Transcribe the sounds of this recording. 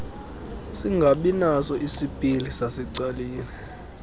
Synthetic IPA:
siŋɡʱaɓinasɔʔisipʼilisasɛǀaliːni

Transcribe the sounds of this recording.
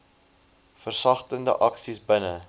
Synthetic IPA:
fərsɐχtəndə̰ʔɐksisbənə

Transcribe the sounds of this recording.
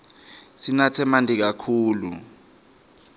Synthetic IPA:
sinatʰɛmantʼik̬akʰuːlṵ

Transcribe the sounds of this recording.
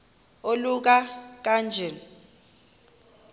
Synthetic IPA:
oluk̬ak̬ʼand͡ʒʱɛn

